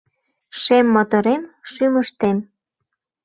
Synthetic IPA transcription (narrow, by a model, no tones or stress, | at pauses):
ʃemːot̪oɾemʃyməʃt̪em